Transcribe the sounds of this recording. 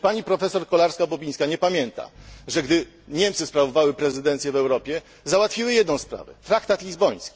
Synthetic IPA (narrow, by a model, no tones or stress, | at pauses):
paɲipɾɔfɛsɔɾkɔlaɾskabɔbʲiɲ̃skaɲɛpamʲjɛnt̪a̰ʐɛɡd̪ɘ | ɲɛmt̪sɘspɾavɔvawɘpɾɛzɘd̪ɛnt̪sʲjɛvɛwɾɔpʲjɛ | zawat̪fʲiwɘjɛd̪nɔ̃w̃spɾa̰vɛ̰t̪ɾakt̪at̪lʲizbɔj̃skʲi̥